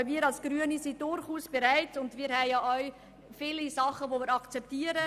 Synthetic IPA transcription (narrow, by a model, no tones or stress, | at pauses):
miːəɾɑlsɡ̥ɾyənisidʊɾχuːsb̥eɾaɪtʊndmiːɾhɛjɑːʔɔɥ | fɪlisɑχəʋomiːɾɑkt͡sɛp̚tiːəɾə